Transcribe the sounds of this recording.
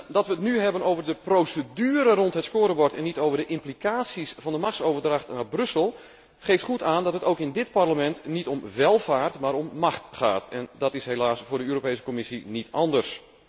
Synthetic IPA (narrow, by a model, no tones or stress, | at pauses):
dɑtʋəːtnyɦɛbənowvərdəprowsədyːəɾərɔntɦətskoːɾəbɔɹtɛnːitoːwvərdəʔɪmplikaːsisfɑndəmaxsoːvərdraxtnaːbrɵsəlˠ | χejftχutaːndɔtətowkɪndɪt̚parləmɛntnitɔmʋɛlˠvaːrtmaːɾɔmːaxtχa̰ːtɛ̰ndɔtɪsɦelaːsfʊːɹdəøːɾopejsə̥komɪsinitɑndərs